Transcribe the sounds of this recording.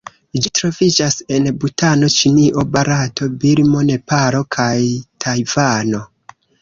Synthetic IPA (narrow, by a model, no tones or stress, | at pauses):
d͡ʒitɾo̞vid͡ʒase̞nbutano̞t͡ʃiniʔo̞baɾato̞biɾmo̞ne̞paɾo̞kʰajtʰajvano̞